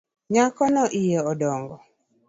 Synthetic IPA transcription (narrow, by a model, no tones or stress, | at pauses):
ɲakɔnɔʔɪjɛɔdɔŋɡɔ